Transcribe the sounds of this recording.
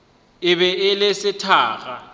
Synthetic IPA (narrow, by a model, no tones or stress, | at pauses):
ɪβɛɪlesɪtʰaːɣa